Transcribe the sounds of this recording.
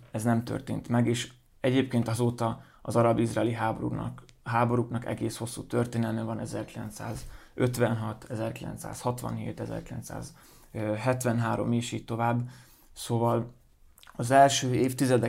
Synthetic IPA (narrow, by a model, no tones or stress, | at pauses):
ɛznɛmt̪ø̰rt̪ḛːnt̪mɛɡeːʃ | ɛɟeːpkeːnt̪ɒzoːt̪ɒ | ɒ̰zɒɾɒbizraːliɦaːboṵ | ɦaːbo̞ɾuknɒkɛ̰ɡeːsho̞sːṵːt̪ørt̪eːnɛlmɛvɒnɛzɛrkilɛ̰nt̪sa̰ːzøt̪ʋɛnɦɒt̪ʰɛzɛrkilɛ̰nt̪sa̰ːshɒt̪ʋɒ̰nɦḛːt̪ɛzɛ̰rkilɛ̰nt̪sa̰ːz | ɦɛt̪ʋɛnɦaːɾo̞̰meːʃiːc̚t̪o̞vaːbː | soːvɒl | ɒzɛlʃøːeːft̪izɛd̪ɛ